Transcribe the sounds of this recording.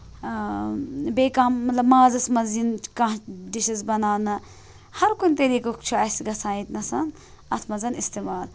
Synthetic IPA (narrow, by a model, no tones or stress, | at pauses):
beːkaːmːɐt̪lɐbmaːzɐsmɐzinkãːdiʃizbɐnaːnɨ | hɐɾkunʲt̪ɐɾiːkɐkt͡ʃʰuɐsɡɐsãːit̪nɐsɐn | ɐt̪ʰmɐzɐnist̪eːmaːl